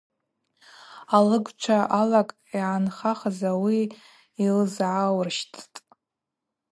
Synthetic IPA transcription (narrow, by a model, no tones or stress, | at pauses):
alɨɡʷt͡ʃʷʰaʔalakʼ | iʕanχaχazawiː | lzʕawrʃtʰtʼ